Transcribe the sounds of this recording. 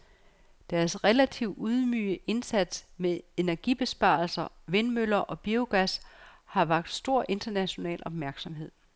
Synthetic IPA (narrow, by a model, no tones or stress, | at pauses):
d̥æɐsʁɛlæt͡sʰiʊuð̞ˠmyːəʔe̝nsæd̥smee̝næɐɡ̥ib̥e̝sb̥ɑ̰̈ːl̩sɐʋe̝nmølɐʔɒ̽b̥io̝ɡ̥æshɑ̈ʋɑ̈ɡ̥̚d̥sd̥o̝ɐ̰ʔe̝nd̥ɐnæɕo̝nɛ̰ːlɒ̽b̥mæɐɡ̥sɒ̽mɦe̝ð̞̰ˠ